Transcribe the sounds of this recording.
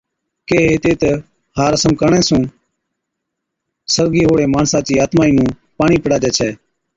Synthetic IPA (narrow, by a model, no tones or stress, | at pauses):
keːɦeːt̪eːt̪e | haːɾəsəmkəɳɛ̃ːsũː | səɾɡiːɦoːɽeːmaːnsãːt͡ʃiːaːt̪maːiːnũː | paːɳiːpəɽaːd͡ʒɛːt͡ʃʰɛː